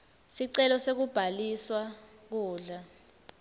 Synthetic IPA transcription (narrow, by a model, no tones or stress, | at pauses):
siǀɛlɔsek̬ub̥ʱaliswa | k̬uːɮa